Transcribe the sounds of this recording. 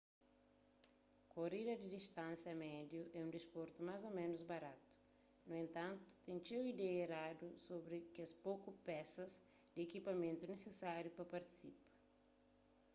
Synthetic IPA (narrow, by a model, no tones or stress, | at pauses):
korid̪ɐd̪id̪ist̪ãnsjɐmɛd̪juʔɛũnd̪ispoɾt̪umazomẽnuzbɐɾat̪u̥ | nuẽnt̪ãnt̪u̥t̪ẽŋt͡ʃewid̪ɛeɾad̪usobɾɪkɪɐspokupɛsɐz | d̪ɪekipɐmẽnt̪unesesaɾjupɐpɐɾt̪i̥sipɐ̥